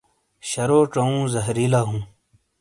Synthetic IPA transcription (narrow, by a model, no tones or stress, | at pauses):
ɕɐɾoːʈ͡ʂɐũːzɐɦɾilaːɦũː